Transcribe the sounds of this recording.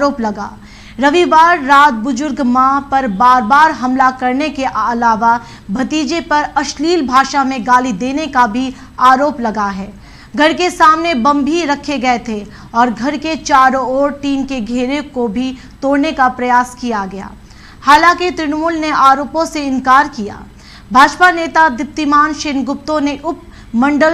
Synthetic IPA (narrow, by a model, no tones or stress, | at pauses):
ɾoːplɐɡa̰ː | ɾɐʋiʋaːɾːaːd̪̚bʊzʊɾɡmãpɐɾbaːɾbaːɾɦɐmlakɐɾnekeʔɐlaːʋa | bʱɐt̪iːd͡ʒepɐɾɐʃliːlbʱaːʃamẽɡaːlid̪eːnekabʱi | aːɾoːplɐɡaɦɛː | ɡʱɐɾkesaːmnebɐ̃mbʱiɾɐkʰeɡɐet̪ʰe | ɔːɾɡʱɐɾket͡ʃaːɾoɔːɾʈiːmkeɡʱeːɾekobʱi | t̪oːɽnekapɾɐjaːskijaɡɐja̰ː | haːlãːkit̪ɾɪnmuːlneaːɾoːpõseɪnkaːɾkija̰ː | bʱaːd͡ʒpaneːt̪ad̪ɪp̚t̪imaːnʃɪnɡʊp̚t̪õneʔʊp̚ | mɐ̃ɳɖəl